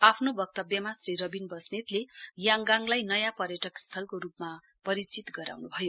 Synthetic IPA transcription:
apʰnobʌk̚t̪ʌbjʌmasriɾʌbinbʌsnet̪lejaŋɡaŋlajnʌjãpʌrjʌʈʌkst̪ʰʌlkoɾupma | pʌɾit͡sit̪ɡʌɾa̰wnubʱʌjo

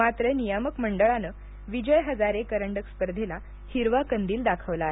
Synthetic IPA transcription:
mat̪ɾənijəməkməɳɖəɭanə | ʋid͡ʑəjɦəd͡zaɾekəɾəɳɖəkspəɾd̪ʱela | hiɾʋakənd̪iːld̪akʰəʋlaːɦe

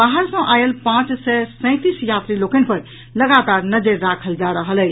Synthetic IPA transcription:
baɦəɾsə̃ʔajəlpãt͡ʃsɛsə̃ɪ̃t̪isjat̪ɾilokənpəɾ | ləɡat̪aɾnəd͡ʒeɾːakʰəld͡ʒaɾəɦəlɛ

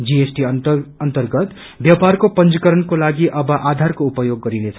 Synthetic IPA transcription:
d͡ziesʈiʌnt̪ʌrɡʌt̪ | bjaparkopʌnt͡sʌkʌɾʌnkolaɡiʔʌbʌʔad̪ʱarkoupʌjoɡːʌɾinet͡sʰʌ

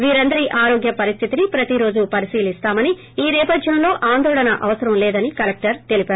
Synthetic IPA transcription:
ʋiːɾɐnd̪ɐɾiʔaːɾo̞ːɡjɐpɐɾist̪ʰit̪inipɾɐt̪iɾo̞ːd͡ʒupɐɾisiːlist̪aːmɐni | iːnɛːpɐd̪ʱjɐmlo̞ːʔaːnd̪ɔːɭɐnɐʔɐʋɐsɐɾɐmlɛːd̪ɐnikɐlɐk̚ʈɐɾt̪e̞lipaːɾ

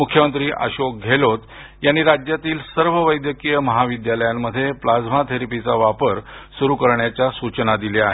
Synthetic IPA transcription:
mukʰjəmənt̪ɾiːʔa̰ɕok̚ɡʱelot̪ | janːiːɾad͡ʑjat̪iːlsəɾʋəʋəjd̪jəkijəməɦaʋid̪jaləjamːəd̪ʱːjeplad͡zmat̪ʰeɾipit͡saʋapəɾsuɾukəɾɳjat͡ɕjasut͡ɕnad̪ileaɦe

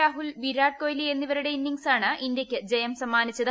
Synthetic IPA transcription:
aːɦulʋiɾaːʈ̚ko̞ːjlie̞nːiʋɐɾuɽe̞inːiŋsaːɳɨʔind̪jɐkʲːɨd͡ʑejɐmsɐmːaːnit͡ɕːɐð

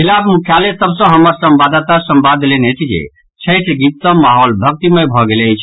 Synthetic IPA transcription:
kʰilabmukʰjalesəbsə̃ɦəmːəɾsəmbad̪at̪asəmbad̪ʱlenet͡ʃʰid͡ʒḛ | t͡ʃʰəjʈʰɡit̪ːəmaɦɔlbʱək̚t̪imebʱɔɡelət͡ʃʰ

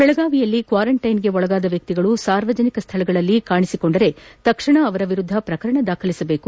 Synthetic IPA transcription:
b̥ɛɭɐɡaːʋijɐlːikʋaːɾɐɳʈɐjnɡe̞ɔɭɐɡaːd̪ɐʋjɐk̚t̪iɡɐɭusaːɾʋɐd͡ʒɐnikɐst̪ʰɐɭɐɡɐɭɐlːikaːɳisiko̞ɳɖɐɾe̞t̪ɐkʂɐɳɐːʋɐɾɐʋiɾud̪ʱːɐpɾɐkɐɾɐɳɐd̪aːkʰɐlisɐbeːku

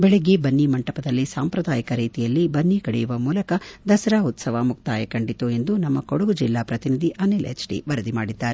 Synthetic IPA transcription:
bɛɭeɡebɐnːimɐɳʈɐpɐd̪ɐlːisaːmpɾɐd̪aːjɐkɐɾiːt̪ijɐlːibɐnːikɐɽɛjuʋɐmuːlɐkɐd̪ɐsɐɾaːut̪sɐʋaːmuk̚t̪aːjɐkɐɳɖit̪ue̞nd̪unɐmːɐkoɽuɡud͡ʒilːaːpɾɐt̪inid̪ʱiʔɐnilḛt͡ʃʈḭʋɐɾɐd̪ima̰ːɽid̪ːaːɾe

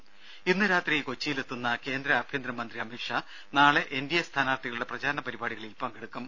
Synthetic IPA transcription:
inːɨɾaːt̪rijko̞t͡ɕːijilet̪ːunːɐke̞ːnd̪ɾɐːbʱjend̪ɾɐmɐnd̪riɐmiʂɐ | naːɭe̞ʔendijɐst̪ʰaːnaːrt̪iɣɐɭuɽe̞prɐd͡ʑaːɾɐnɐpɐɾibaːɽiɣɐɭilpɐŋɡeɽukːum

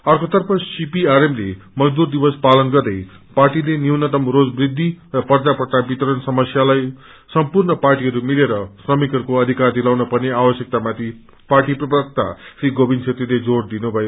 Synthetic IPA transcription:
ʌrkot̪ʌrpʰʌsipiaɾemle | mʌd͡zd̪urd̪ibʌspalʌnɡʌrd̪ʌj | parʈilenjiwnʌt̪ʌmrod͡zbrid̪ʱːirʌpʌrd͡zapʌrʈ̪abit̪ʌɾʌnsʌmʌsjalaj | sʌmpurnʌparʈiɦʌɾumileɾʌsrʌmikʌɾukoʌd̪ʱikard̪ilawnʌpʌneabʌsjʌk̚t̪amat̪ʰi | parʈiprʌbrʌk̚t̪a̰sriɡobinsʰet̪riled͡zoɽd̪inubʱʌjo

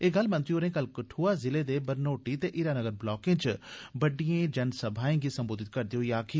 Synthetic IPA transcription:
eːɡəlmə̃nt̪ɾioːɾẽːkəlkəʈʰuːaːzɪleːd̪eːbəɾnoːʈiːt̪eːʔɪɾaːnəɡəɾblɔːkẽːt͡ʃbəɖijẽːd͡ʒənsəbʱaːẽːɡiːsəmboːd̪ɪt̪̚kəɾd̪iːɦoiːaːkʰi

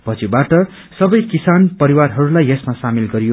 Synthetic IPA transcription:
pʌt͡sʰibaʈʌ | sʌbʌjkisanpʌɾiwarɦʌɾulajesmasamilɡʌɾijo

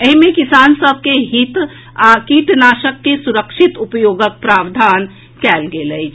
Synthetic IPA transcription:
əɦimẽkisaːnsəb̚ʱkeɦit̪ | kiːʈnaːʃəkːesʊɾəkʃɪt̪ʊpəjoːɡək̚pɾaːbd̪ʱaːn | kɛːlɡeləi

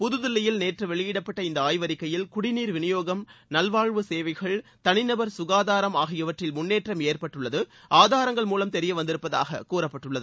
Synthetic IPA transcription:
pʊðɯðɪlːɐjɪlneːʈrɐʋɛɭɪjɪɽɐpːɐʈːɐɪnd̪ɐaːjʋɐɾɪkːɐjɪlkʊɽɪniːɾʋɪnɪjoːɣɐmnɐlʋaːɻʋɯseːʋɐɪɣɐɭt̪ɐnɪnɐbɐɾsʊɣaːðaːɾɐmaːɣɪjɐʋɐʈrɪlmʊnːeːʈrɐmeːrpɐʈːɯɭːɐðɯʔaːðaːɾɐŋɡɐɭmuːlɐmt̪ɛɾɪjɐʋɐnd̪ɪɾɯpːɐða̰ːɣɐ̰kuːrɐpːɐʈːɯɭːɐðɯ

